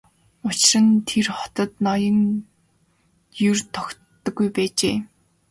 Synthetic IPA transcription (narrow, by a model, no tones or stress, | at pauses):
ʊt͡ɕɪ̆rə̆nt̪ʰerχɔ̥t̪ɞ̆t̪nɔjə̆ŋ | jɵrt̪ʰɔktːə̆ɡujpæːt͡ɕeː